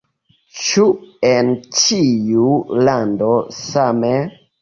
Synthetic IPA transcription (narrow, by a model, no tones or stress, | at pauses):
t͡ʃuent͡ʃijulandosame